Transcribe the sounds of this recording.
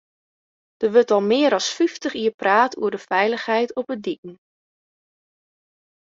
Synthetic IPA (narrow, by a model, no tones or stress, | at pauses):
d̥əʋɵtɔlˠmɪəɾɑsfyftəχiəpraːtuədəfɛjləχɦɛjtʰɔpədikn̩